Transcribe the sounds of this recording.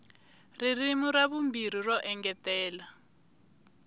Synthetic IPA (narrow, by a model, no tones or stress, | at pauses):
ririmuɾaβumbirirɔʔɛŋɡɛtɛːla